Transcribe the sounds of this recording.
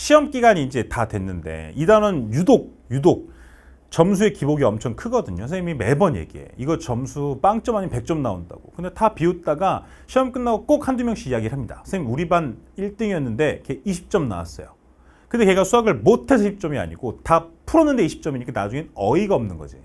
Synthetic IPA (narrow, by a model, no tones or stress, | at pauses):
ɕʰiʌmk͈iɡaɲiːnd͡ʑe̞tadwe̞nːɯnde̞̰idanʌnjudok̚ | judok̚ | t͡ɕʌms̬ʰue̞kiboɡiʌmt͡ɕʰʌŋkʰɯɡʌdɯɲosʰemime̞bʌnjḛɡie̞̰iɡʌt͡ɕʌmsʰup͈aŋt͡ɕ͈ʌmaɲipe̞k̚t͡ɕ͈ʌmnao̰nda̰ɡ̥o̰kɯndetapiot͈aɡa | ɕʰiʌmk͈ɯnːaɡok͈ok̚handumjʌŋɕ͈iːjaɡiɾɯɭɦamɲida̰sʰeimuɾiban | iɭt͈ɯŋiʌnːɯnde̞keiɕʰi̥p̚t͡ɕ͈ʌmna̰wa̰s͈ʌ̰jo̰ | kɯndeke̞ɡasʰuaɡɯɭmotʰe̞s̬ʰʌɕʰip̚t͡ɕ͈ʌmia̰ɲiɡotapʰuɾʌnːɯnde̞iɕʰi̥p̚t͡ɕ͈ʌmiɲik͈ʰanad͡ʑuŋenʌiɡaʌmnɯnɡʌ̰d͡ʑḭ